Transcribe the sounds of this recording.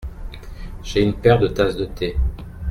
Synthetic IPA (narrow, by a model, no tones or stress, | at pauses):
ʒ̥eynpɛʁd̪ət̪asd̪ət̪ʰe